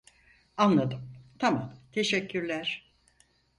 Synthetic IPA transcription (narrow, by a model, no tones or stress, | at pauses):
anlˠad̪ɯmt̪ʰama̰mt̪ʰe̞ʃɛcʰːyɾlʲæɾ̥